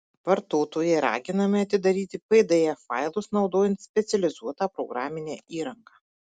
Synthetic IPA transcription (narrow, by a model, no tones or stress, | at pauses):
ʋɐɾt̪oːt̪oːjɛɪɾɑ̰ːɡʲɪnɐmʲɪɐt̪ʲɪd̪ɐɾʲiːt̪ʲɪpɐɪd̪ɐjɛfɑ̰ɪlˠʊsnɒʊd̪oːjɛnt̪sʲpʲɛt̪sʲɛlʲɪzuɔt̪ɑːpɾɔɡɾaːmʲɪnʲeːiːɾɐŋkɑː